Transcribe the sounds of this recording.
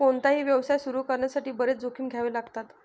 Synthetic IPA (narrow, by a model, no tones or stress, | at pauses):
oɳt̪aɦiːʋjəʋsajsuɾuːkəɾɳjasaʈiːbəɾet͡sd͡zokʰiːmɡʱjaʋeːlaɡt̪at̪